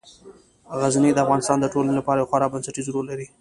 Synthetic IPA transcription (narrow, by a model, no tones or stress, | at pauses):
ɣaznid̪əafɣɑnɪst̪ɑnd̪əʈolanolapɑɾajawxaɾabansaʈizɾolːaɾi